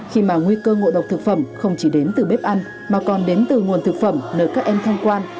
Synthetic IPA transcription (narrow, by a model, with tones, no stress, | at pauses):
xi˧maː˨˩ŋwi˧kəː˧ŋo̰˧˨ɗə˨˩wk͡p̚t̪ʰɨ˨˩k̚fə˧˩mxə˧wŋ͡mt͡ɕi˧˩ɗe˨˦nt̪ɨ˨˩ɓe˦˥p̚ʔa˧jn | maː˨˩kɔ˨˩nɗe˨˦nt̪ɨ˨˩ŋu˨˩ənt̪ʰɨ˨˩k̚fə˧˩mnəː˧˩jkaː˦˥k̚ʔɛ˧mt̪ʰa˧jŋkwaː˧n